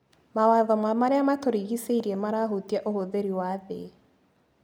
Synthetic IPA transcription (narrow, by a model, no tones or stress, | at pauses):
mawaðɔmwamaɾeamatoɾiɣiseiɾiemaɾaɦotiaʔohoðeɾiwaðḛ